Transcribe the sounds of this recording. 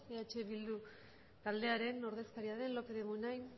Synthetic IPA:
eat͡ʃe̞βild̪u | t̪ald̪eaɾe̞no̞ɾð̞e̞skaɾiaðe̞nlo̞keðemunajn

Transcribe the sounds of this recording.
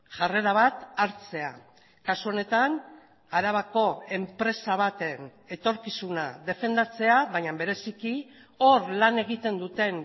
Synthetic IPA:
ʝare̞ɾaβ̞at̪aɾt͡se̞a | kasuo̞ne̞t̪an | aɾaβ̞ako̞e̞mpɾe̞saβat̪e̞n | e̞t̪o̞ɾkisunaðe̞fe̞nd̪at͡se̞aβaɲambe̞ɾe̞siki | o̞ɾlane̞ɣ̞it̪e̞nd̪ut̪e̞n

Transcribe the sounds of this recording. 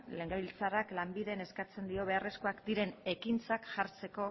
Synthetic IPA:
le̞ŋɡaβilt͡saraklambiðe̞ne̞skat͡se̞nd̪io̞β̞e̞are̞skoakd̪iɾe̞ne̞kint͡sakʝaɾt͡se̞ko̞

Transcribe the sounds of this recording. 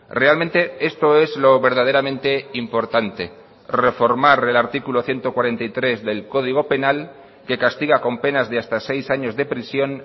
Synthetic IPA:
re̞almẽnt̪e̞e̞st̪o̞ezlo̞βe̞ɾð̞að̞e̞ɾamẽnt̪e̞impo̞ɾt̪ant̪e̞ | re̞fo̞ɾmaɾe̞laɾt̪ikulo̞θje̞nt̪okwaɾe̞nt̪ajt̪ɾe̞zðe̞lko̞ð̞iɣ̞o̞pe̞nal | ke̞kast̪iɣ̞ako̞mpe̞nazðeast̪ase̞jsaɲo̞zðe̞pɾisjo̞n

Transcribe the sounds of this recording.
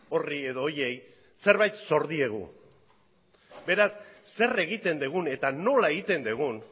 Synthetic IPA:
o̞rie̞ðo̞ːje̞j | se̞ɾβajt̪so̞ɾðie̞ɣ̞ṵ | be̞ɾasː | e̞re̞ɣit̪e̞nd̪eɣ̞une̞t̪ano̞lae̞ɣit̪e̞nd̪eɣ̞un

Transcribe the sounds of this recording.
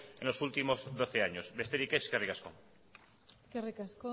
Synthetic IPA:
ḛnlosult̪imozðoθeaɲosβest̪eɾikeskerikasko̰ŋ | kerikasko

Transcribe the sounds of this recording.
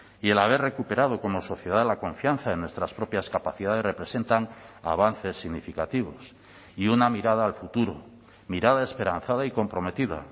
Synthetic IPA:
ie̞laβ̞e̞rre̞kupe̞ɾað̞o̞ko̞mo̞so̞θje̞ð̞aðelako̞ɱfjanθaenːwest̪ɾaspɾo̞pjaskapaθiðaðe̞sre̞pɾe̞se̞nt̪aŋa̰β̞anθe̞sːiɣnifikat̪iβ̞o̞s | iunamiɾaðaːlfut̪uɾo̰ | miɾaðaespe̞ɾan̟θað̞aiko̞mpɾo̞me̞t̪iða̰

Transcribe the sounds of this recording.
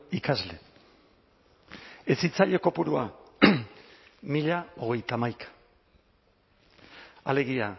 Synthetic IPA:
ikazle̞ | esit͡saʎe̞ko̞puɾua | miʎao̞ɣ̞e̞jt̪amajkḁ | ale̞ɣia

